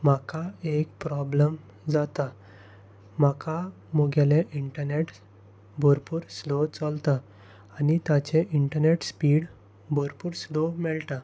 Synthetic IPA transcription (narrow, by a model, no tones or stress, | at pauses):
makaekpɾɔbləm | d͡zat̪a | makʰa | moɡaleʔiɳʈəɾneʈ | bʱoɾpuːɾslot͡sɔlt̪aː | nit̪at͡ɕeʔiɳʈəɾneʈspiɽ | bʱoɾpuːɾslomɛɭt̪a